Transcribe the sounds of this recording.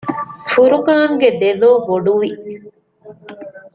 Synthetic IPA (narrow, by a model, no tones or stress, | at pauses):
fuɾukaːŋɡed̪eloːboɖuʋi